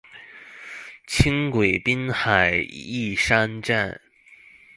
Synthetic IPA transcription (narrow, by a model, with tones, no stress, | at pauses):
t͡ɕʰi˥ŋkwe˨˩ɪpi˥nxa˨˩ɪi˥˩ʂa˥nʈ͡ʂa˥˩n